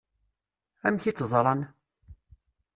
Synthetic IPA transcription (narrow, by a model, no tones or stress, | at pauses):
æmçit͡sːzˤɾˤɑn